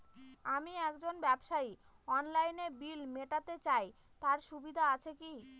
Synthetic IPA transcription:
amiɛkd͡ʑonbɛbʃai | ɔnlajnebilmeʈat̪et͡ɕaj | t̪aɾʃubid̪ʱaat͡ɕʰeki

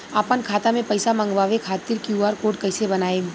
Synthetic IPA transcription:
aːpənkʰaːt̪amẽpɐɪsamɐ̃ŋɡʋaːʋekʰaːt̪ɪɾkjuaːɾkoːʈkɐɪsebɐnaːeː

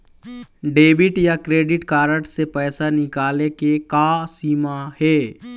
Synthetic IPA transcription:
ɖeːbɪʈjakɾeːɖɪʈkaːɾəʈsepɛːsanɪkaːlekekaːsiːmahɛː

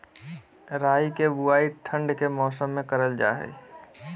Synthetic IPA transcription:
ɾaːikebuaːiʈʰə̃ɳɖkemɔːsəmːẽkəɾəld͡ʒa̰ːɦɛ̰

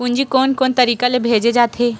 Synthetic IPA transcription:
ʊ̃nd͡ʒikoːnkoːnt̪ɐɾiːkalebʱeːd͡ʒed͡ʒaːt̪ʰɦeː

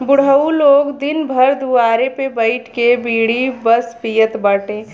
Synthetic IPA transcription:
bʊɽɦəuloːɡd̪ɪnbʱəɾd̪uaːɾepebəɪʈʰkebiːɽ̤ibəspijət̪bəʈẽː

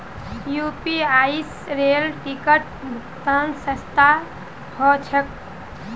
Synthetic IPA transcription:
jupiais | ɾelʈikəʈ̚ | bʱukt̪ansə̃st̪ʰa | hɔt͡ʃʰək̚

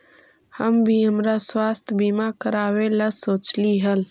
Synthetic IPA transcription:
həmbʱiɦəmɾaswast̪ʰbimakəɾaweləsoːt͡ʃliɦəl

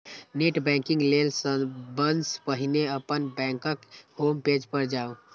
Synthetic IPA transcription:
neʈbɛ̃ŋkĩŋɡlelsəbənspəɦineəpənbɛ̃ŋkəkhomped͡ʒpəɾd͡ʒaːo

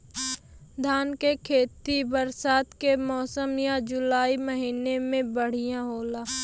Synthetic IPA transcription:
d̪ʱaːnkekʰeːt̪ibəɾsaːt̪kemɔːsəmjãd͡ʒʊlaːiməɦiːnemẽbəɽ̤ijãɦoːlaː

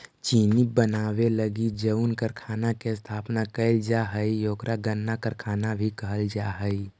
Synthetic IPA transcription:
t͡ʃiːnibənaːweləɡid͡ʒəʊnkəɾkʰaːnakest̪ʰaːpnakəɪld͡ʒaɦəijoːkɾaɡənːakəɾkʰaːnabʱikəɦəld͡ʒaːɦəi

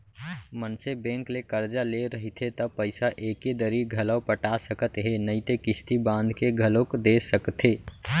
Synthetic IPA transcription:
mənsebẽŋklekəɾd͡ʒaleɾəɦit̪ʰɦet̪əpəɪsaʔeked̪əɾiɡʱələwpəʈasəkət̪ɦenəɪt̪ekist̪ibãnd̪ʱkeɡʱəlokd̪esəkt̪ɦe

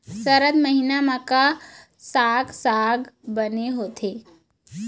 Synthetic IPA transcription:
səɾəd̪məɦinamaka | saːɡsaːɡbəneɦoːt̪ʰe

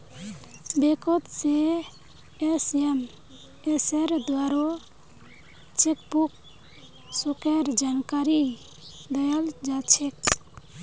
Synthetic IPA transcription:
bekot̪se | esem | eseɾd̪waɾo | t͡ʃek̚buk | sukeɾd͡ʒankaɾi | d̪əjald͡ʒat͡ʃʰek

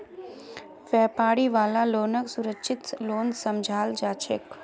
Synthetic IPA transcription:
ʋɛːpaːɽiʋaːlaloːnəksʊɾəkʃʰɪt̪loːnsɐmd͡ʒʱaːld͡ʒaːt͡ʃɪ̰k

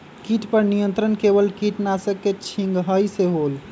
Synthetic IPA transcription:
kiʈpəɾnijənt̪ɾənkebəlkiʈnasəkːet͡ʃʰĩŋɡɦəjseɦol

